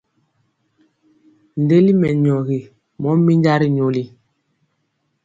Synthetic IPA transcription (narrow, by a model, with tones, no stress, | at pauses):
n˨de˦li˦mɛ˨ɲɔ˨ɣi˨ | mɔ˨˦mi˦ɲɟa˦ɾi˨ɲo˨li˨